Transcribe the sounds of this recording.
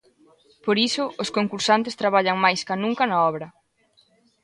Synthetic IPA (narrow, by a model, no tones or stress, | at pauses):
poɾisʊoskoŋkuɾsant̪est̪ɾaβ̞aʎɐŋmajskanũŋkɐnɐɔβɾɐ